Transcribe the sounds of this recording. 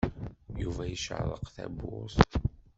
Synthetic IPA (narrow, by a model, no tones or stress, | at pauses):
juvæjəʃʕðˤəqθæ̰bʊs